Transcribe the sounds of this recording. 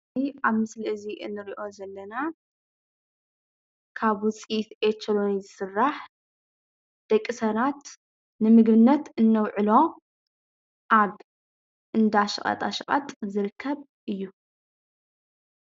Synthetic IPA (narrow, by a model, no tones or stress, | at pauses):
iʔaβmɨsliʔɨziʔɨnːɨɾiʔo̞zɐlːɐna | kʰaβwʊt͡sʼit̪ʔet͡ʃːɐlonizɨsɨrːaħ | d̪̥ɐkʼːisɐnat̪ | nɨmɨɡbɨnːɐt̪ɨnːɐwʕɨlo̞ | ʔaβ | ʔɨnd̪aʃɨχʼɐ̰t̪ʼaʃɨχʼɐ̰t̪ʼzɨɾɨkʰːɐβ | ʔɨjːu